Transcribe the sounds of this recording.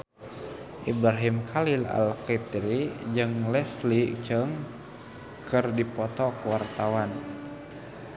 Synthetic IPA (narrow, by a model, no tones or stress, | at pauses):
ʔibɾaɦimkʰalila̰lkit̪iɾid͡ʒɨŋlɛslit͡ʃəŋ | kɨrdipɔt̪ɔkəwart̪awan